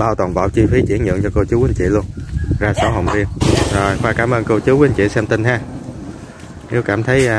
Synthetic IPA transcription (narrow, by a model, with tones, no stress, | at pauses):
ɓaː˧wt̪ɔː˨˩nva̰˧˨wt͡ɕi˧fi˨˦t͡ɕi˧˩˥ənɲɨ̰˧˨ŋt͡ɕɔ˧ko˧wt͡ɕu˨˦wi˨˦nt͡ɕḭ˧˨lu˧ənzaː˧sɔ˨˦ɦə̰˨˧˨wŋ͡mvi˧ənzo˨˩jxwaː˧kaː˧˩mʔəː˧nko˧wt͡ɕɨ˨˦wi˨˦nt͡ɕḭ˧˨sɛ˧mt̪i˧nɦaː˧ | ne˨˦wkaː˧˩mt̪ʰə˨˦j